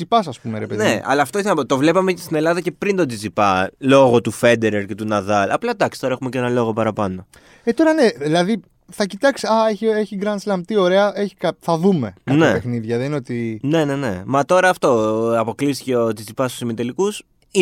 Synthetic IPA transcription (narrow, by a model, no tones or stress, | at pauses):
ipɐsɐspumeɾepeneɐ̰lɐːft̪oiθɐnot̪o̞vle̞pɐmecst̪ine̞lɐðɐce̞pɾind̪o̞d̪izipɐlo̞ɣo̞t̪ufe̞d̪eɾeɾce̞t̪unɐðɐlɐ̰plɐd̪ɐkst̪o̞ɾɐe̞xume̞cenɐlo̞ɣo̞pɐɾɐpɐno̞ | et̪o̞ɾɐne̞ðilɐði | θɐcit̪ɐksi̥ɐeçieçiɡɾɐnslɐmt̪io̞ɾe̞ɐe̞çi̥kɐθɐðume̞kɐnɐepe̞xniðʝɐðeninot̪ine̞ne̞ne̞mɐt̪o̞ɾɐːft̪o̞ɐpo̞klisi̥ceot̪izipɐst̪usimit̪elikus | i